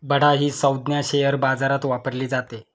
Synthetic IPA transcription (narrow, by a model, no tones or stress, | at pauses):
bəɽ̤aɦiːsəwd̪njaɕejəɾbad͡zaɾat̪ʋapəɾliːd͡zat̪e